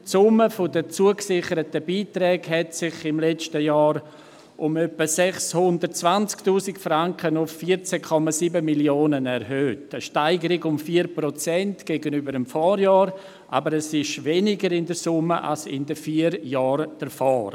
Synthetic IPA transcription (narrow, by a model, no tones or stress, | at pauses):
tsʊməfodət͡suəksɪχəɾətəbiːtɾɛːɡhɛtsɪχɪmlɛt͡ʃtəjɑːɾ | ʔʊmœpəsɛχshʊndətt͡svant͡sktuːsɪkfɾaŋkənʊfːiɾt͡sɛkʰɔmasiːbəmiljoːnənɛɾɦøːtəʃtaɪɡəɾɪɡʊmfiːəɾpɾot͡sɛntɡ̥eɡənybəɾəmfɔːɾjɑːɾ | ʔa̰bəɾɛsɪʃvɛnɪɡəɾɪndəsʊməʔa̰lsɪ̰ndəfiːəɾjɑːɾd̥əɾfɔːɾ